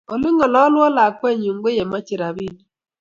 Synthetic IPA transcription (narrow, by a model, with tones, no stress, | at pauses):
ɔ˨lɪ˦ŋɔ˨lɔː˦lwɔ˦la˨kwɛ˦ɲu˨ŋɡo˦je˨ma˦t͡ʃɪ˨ɾa˨βi˦˨n